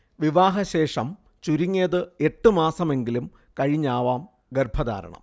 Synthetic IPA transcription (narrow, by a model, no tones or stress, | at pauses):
ʋiʋaːɦɐɕe̞ːʂɐm | t͡ɕuɾiŋːeːðɨe̞ʈːɨmaːsɐme̞ŋɡilum | kɐɻiɲːaːʋaːm | ɡerbʱɐða̰ːɾɐ̰ɳɐ̰m